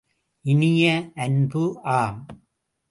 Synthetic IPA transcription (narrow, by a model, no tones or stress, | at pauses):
ɪnɪjɐːnbɯʔaːm